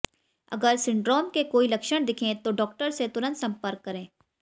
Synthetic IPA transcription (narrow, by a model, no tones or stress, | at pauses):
ɐ̰ɡəɾsɪ̃ɳɖɾoːmkekoːilɐkʃəɽ̃d̪ɪkʰẽt̪oɖɔːk̚ʈəɾset̪ʊɾə̃nt̪sɐ̃mpəɾkːɐɾẽː